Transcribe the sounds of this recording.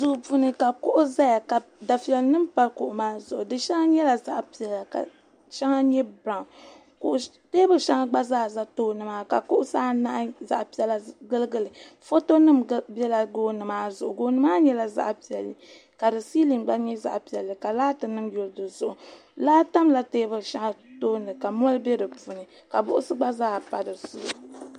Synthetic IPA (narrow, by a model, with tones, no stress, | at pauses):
zʊ˨pu˦nɨ˨ka˨kʊ˦ʔʊ˦za˦ja˨ka˨da˨fi˨ɛ˨lnɨ˦mpa˦lkʊ˨ʔʊ˨maː˦zʊ˨ʔʊ˨dɨ˨ʃɛ˦ŋa˦ɲɛ˦la˨za˦ʔpi˨ɛ˨lːa˨ka̰˨ | ʃɛ˦ŋa˦ɲɛ˦ba˨ŋ˨ | kʊ˨ʔ | de˦bɨ˦ʃa˦ŋa˦ɡ͡ba˦zaː˦˨za˦toː˦nɨ˨maː˨˦ka˨kʊ˦ʔʊ˦saː˦na˦ʔza̰˨ʔpi˦ɛ˦lːa˨ɡɨ˦lɨ˦ɡɨ˨lɨ˨fo˦to˦nɨ˦m˦bɛ˦la˨ɡoː˦nɨ˨maː˦zʊ˨ʔʊ˨ɡoː˦nɨ˦maː˦ɲɛ˦la˦za̰˦ʔpi˨ɛ˨lːɨ˨ | ka˨dɨ˨si˦li˨nɡ͡ba˦ɲɛ˦za̰˨ʔpi˨ɛ˨lːɨ˨ka˨laː˦tɨ˨nɨ˦mjo˨lɨ˦dɨ˨zʊ˨ʔʊ˨ | laː˦ta˦mla˨teː˦bɨ˦˨ʃa˦ŋa˦toː˦nɨ˨ka˨m˦ɔ˦lbɛ˦dɨ˨pu˨nɨ˨ | ka˨bʊ̰˦ʔʊ˦sɨ˦ɡ͡ba˦zaː˦˨pa˨dɨ˨zʊ˦ʊ˨